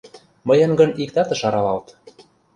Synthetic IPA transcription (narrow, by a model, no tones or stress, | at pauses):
mɤjɤ̆nɡɤ̆nikt̪ɑt̪ɤ̆ʃɑɾɑlɑlt̪